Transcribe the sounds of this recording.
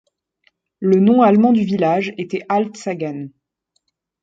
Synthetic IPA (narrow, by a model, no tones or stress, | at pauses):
lənɔ̃almɑ̃d̪yvilaʒet̪ɛʔalt̪saɡan